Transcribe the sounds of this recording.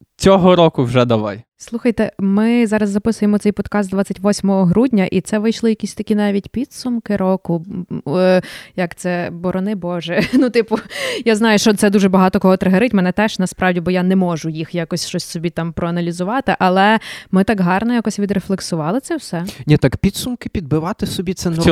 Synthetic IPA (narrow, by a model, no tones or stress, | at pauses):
t͡sʲɔɦɔɾɔkʊwʒɛd̪ɐʋɑ̰jslˠuxɐjt̪ɛmɪzɑɾɐzːɐpɪsʊjemɔt̪sɛjpɔd̪̥kɑst̪̚d̪ʋɑt͡sʲːɐtʲʋɔsʲmɔɦɔɦɾudʲnʲɐʔit̪sɛʋɪjʃlˠɪjɐkʲisʲt̪ɐkʲinɑʋʲitʲpʲid̪sʊmkɪɾɔkʊ | jɐkt̪sɛbɔɾɔnɪbɔʒɛnut̪ɪpʊjaznɑjʊʃt͡ʃɔt̪sɛd̪uʒɛbɐɦɑt̪ɔkɔɦɔt̪ɾeɦɐɾɪtʲmɛnɛt̪ɛʃnɐspɾɑwdʲibɔjanɛmɔʒʊjixjɑkɔsʲʃt͡ʃɔsʲsɔbʲit̪ɑmpɾɔɐnɐlʲizʊʋɑt̪ɪʔɐlˠɛmɪt̪ɑkɦɑrnɐjakɔsʲʋʲid̪ɾeflˠeksʊʋɑlˠɪt̪sɛwsɛnʲit̪ɑkpʲit̪sʊmkɪpʲid̪̚bɪʋɑt̪ɪsɔbʲit̪sɛn